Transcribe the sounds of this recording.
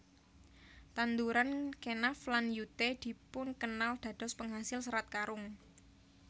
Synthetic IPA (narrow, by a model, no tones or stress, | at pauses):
t̪and̪uɾankenaflanjut̪ed̪̥i̤pʊnkənald̪̥ä̤d̪̥ɔ̤spəŋɦasɪlsəɾat̪̚kaɾʊŋ